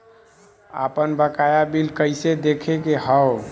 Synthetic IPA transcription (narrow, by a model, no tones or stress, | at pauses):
a̰pənbəkajabilkəɪsed̪ekʰekeɦəw